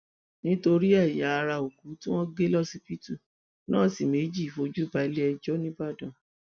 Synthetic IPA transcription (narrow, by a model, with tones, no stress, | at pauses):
nĩ˦to˧ɾi˦a˦˨ja˨˦˧ɾa˧o˨ku˨˦tĩ˦w̃ɔ̃˦ɡe˦lɔ˦˨si˧pi˦tu˦˨ | nãː˦˨si˨me˨˦d͡ʒi˦˨fo˧d͡ʒu˦ba˨˦lɛ˦ɛ˧d͡ʒɔ˦nĩ˦ba˦˨dã˨